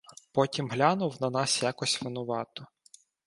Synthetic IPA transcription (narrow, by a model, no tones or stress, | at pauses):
pɔtʲimɦlʲanʊwnɐnɑsjakɔsʲʋɪnʊʋɑt̪ɔ